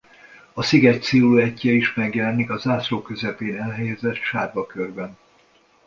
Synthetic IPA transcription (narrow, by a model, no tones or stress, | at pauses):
ɒsiɡɛct̪siːluɛcːɛiʃmɛɡjɛlɛnikɒzaːsroːkø̞zɛpeːnɛlɦɛjɛzɛt̪ʃaːrbɒkørbɛn